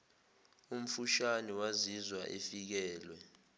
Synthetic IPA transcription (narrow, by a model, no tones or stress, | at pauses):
um̩fuʃaniwazizwa̰ʔefik̬ɛːlwɛ